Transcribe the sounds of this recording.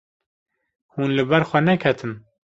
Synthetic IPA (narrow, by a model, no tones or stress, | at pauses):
huːnlɨbɛɾxʷɛnɛkʰɛt̪ʰɨn